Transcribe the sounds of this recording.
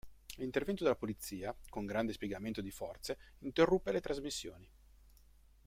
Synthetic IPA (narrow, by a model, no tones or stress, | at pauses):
lint̪ervɛnt̪od̪elːapolit̪sːiːakoŋɡɾand̪espjeɛɡament̪od̪ifɔrt̪se | int̪erːupːelet̪ɾʔazmisːjo̰ːni